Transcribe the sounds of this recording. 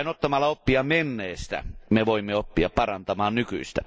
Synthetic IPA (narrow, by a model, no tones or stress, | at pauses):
inot̪ːɑmɑlːɑopːiɑmenːeːst̪æ̰meʋoimːeopːiɑppɑrɑnt̪ɑmɑːnnyky̰ist̪æ